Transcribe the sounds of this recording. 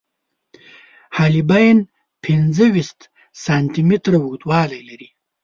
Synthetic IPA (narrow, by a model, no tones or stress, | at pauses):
haːlibajn | pʰind͡zəwist̪ | saːnt̪imit̪ɾawut̪wɑːlajlaɾi